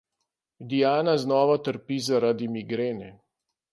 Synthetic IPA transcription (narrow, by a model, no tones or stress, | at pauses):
d̪ijaːnaznɔːʋat̪əɾpizaɾad̪imiɡɾeːnɛ